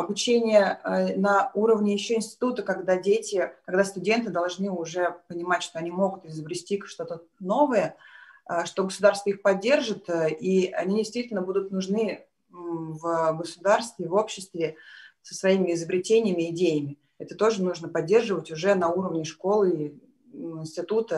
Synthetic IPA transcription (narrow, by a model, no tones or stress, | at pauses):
ɐbʊt͡ɕenʲɪjənɐuɾəvnʲɪjɪɕːo̞ɪnsʲtʲɪ̥t̪ut̪əkɐɡd̪adʲetʲɪkɐɡd̪ast̪ʊdʲe̞nt̪ɨd̪ɐlˠʐnɨʊʐɛpənʲɪmatʲʂt̪o̞ɐnʲimo̞ɡʊt̪ɪzəbɾʲɪsʲtʲikʂt̪o̞t̪əno̞vəjəəʂt̪o̞ɡəsʊd̪arst̪vəixpɐdʲːe̞rʐɨt̪əiɐ̰nʲidʲɪjst̪vʲitʲɪlʲnəbud̪ʊt̪nʊʐnɨ | vəɡəsʊd̪arst̪vʲɪvo̞pɕːɪst̪vʲɪsə̥svɐimʲɪɪzəbɾʲɪtʲenʲɪjɪmʲɪɪdʲejɪmʲɪ | ɛt̪ət̪o̞ʐɨnuʐnəpɐdʲːe̞rʐɨvətʲʊʐɛnɐuɾəvnʲɪʂko̞lˠɨ | ɪnsʲtʲɪt̪ut̪ə